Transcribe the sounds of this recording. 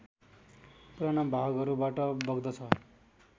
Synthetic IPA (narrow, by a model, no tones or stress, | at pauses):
puɾanʌbʱaɡʌɾubaʈʌbʌɡd̪ʌt͡sʰʌ